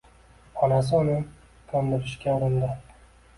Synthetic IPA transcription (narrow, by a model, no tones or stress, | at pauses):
ɒnas̬ɪolɪn | kʲʰɒnd̪ɪɾɪʃkʲaʊɾɪnd̪ɪ